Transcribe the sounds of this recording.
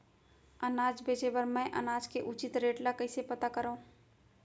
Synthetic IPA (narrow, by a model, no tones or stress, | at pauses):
ənaːd͡ʒbeːd͡ʒebəɾmɛ̃ʔɐ̰naːd͡ʒkeʔʊt͡ʃɪt̪ɾeːʈlakɐɪsepɐt̪akəɾũː